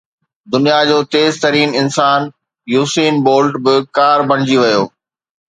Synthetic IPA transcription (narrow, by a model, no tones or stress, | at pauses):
d̪ʊnijad͡ʑoːt̪eːzt̪ɐɾiːnɪnsaːn | juːsiːnboːlʈbɪkaːɾbɐ̃ɽ̃ɪd͡ʑiʋɐjoː